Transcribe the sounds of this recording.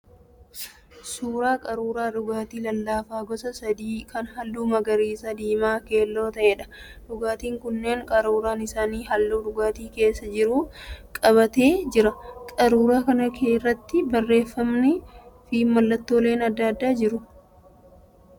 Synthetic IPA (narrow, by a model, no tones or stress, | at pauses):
suːɾaːkʼɐɾuːɾaːɗʊɡaːt̪iːlɐlːaːfaːɡɔsɐsɐd̪iːkɐnɦɐlːuːmɐɡɐɾiːsɐd̪iːmaːke̞ːlːo̞ːt̪ɐʔeːᶑɐ̥ᶑʊɡaːt̪iːŋkʊnːe̞ːŋkʼɐɾuːɾaːnɪsaːniːɦɐlːuːᶑʊɡaːt̪iːke̞ːsːɐd͡ʒɪɾuːkʼɐβɐt̪e̞ːd͡ʒɪɾɐkʼɐɾuːɾaːkɐnɐkʰeːrːɐt̪ːɪbɐrːe̞ːfːɐmnɪfiːmmɐlːɐt̪ːoːle̞ːnɐd̪ːɐːd̪ːaːd͡ʒɪɾʊ